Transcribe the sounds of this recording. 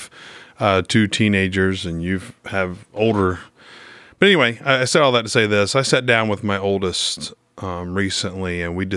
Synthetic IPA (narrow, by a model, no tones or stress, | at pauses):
v̥ | tʰʉtʰĩneɪd͡ʒə˞zɨ̃njʉv̥ɨvoʊlˠdə˞ | b̥ʌɾɛniweɪaɪaɪsɛɾɔlˠðətʰɨ̥seɪðɪsaɪsæt̚d̥ãʊ̃nwəðmaɪoʊlˠdəst | mɹisɨ̃nliɨ̃nwidɨ